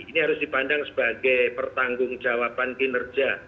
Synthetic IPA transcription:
iniɦaɾʊsd̥ipandaŋsə̥baɡɛjpərt̪aŋɡʊŋd͡ʒawapankinərd͡ʒa

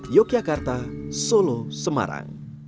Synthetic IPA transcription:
jokiakart̪asolosəma̰ɾa̰ŋ

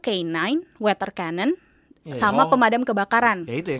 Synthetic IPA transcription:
keinajnwɛt̪ərkanən | samapəmadamkəbakaɾant̪

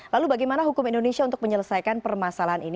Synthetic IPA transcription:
lalubaɡajmanaɦukʊmindonesiaunt̪ʊ̥k̚məɲələsajkanpərmasalaɦanin

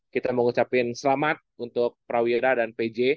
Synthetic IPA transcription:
kit̪aməŋut͡ʃapɪnsəlamat̪̚unt̪ʊk̚pɾawiɾadanped͡ʒe

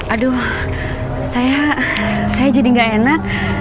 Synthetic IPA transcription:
adu | saja | sajad͡ʒadiŋɡaʔenak̚

